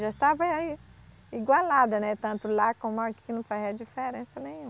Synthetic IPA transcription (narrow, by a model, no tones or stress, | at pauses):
ʒaiʃt̪avɐi | iɡwalad̪ɐnɛt̪ɐ̃nt̪ʊlakõmʊaki̥knɐ̃w̃faziɐd͡ʒifeɾẽsɐnẽj̃ũ